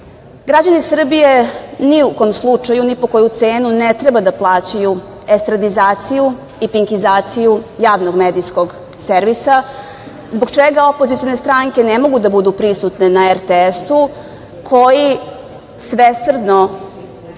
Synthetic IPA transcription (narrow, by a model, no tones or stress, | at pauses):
ɡɾad͡ʑanisr̩bije̞niukomslˠut͡ʂajunipo̞ko̞jut̪seːnunet̪ɾe̞bad̪aplˠaːt͡ɕaju | est̪ɾad̪izaːt̪siju | ipiŋkizaːt̪sijujaːʋnoɡmeːd̪isko̞ɡ | seɾʋisa | zboɡt͡ʃeɡao̞po̞zit̪ione̞st̪ɾaŋke̞nemo̞ɡud̪abud̪upɾisut̪nenaeɾt̪eesu | kʰo̞ji | sʋesr̩d̪no